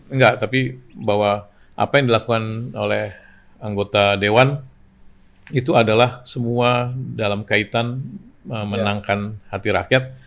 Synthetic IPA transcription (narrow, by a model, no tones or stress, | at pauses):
ŋɡaʔt̪apibawa | ʔa̰pajaŋdilakukanolɛh | aŋɡot̪adewan | it̪uadalahsəmuadalamkait̪anəmənaŋkanhat̪iɾa̰kjat̪̚